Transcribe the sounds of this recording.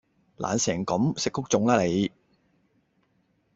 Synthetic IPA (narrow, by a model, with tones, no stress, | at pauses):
lʔa̰ː˨nsɛː˨˩ŋkɐ˨˥msɪ˨k̚ːʊ˥k̚t͡sʊ˧˥ŋlaː˥le˨˧j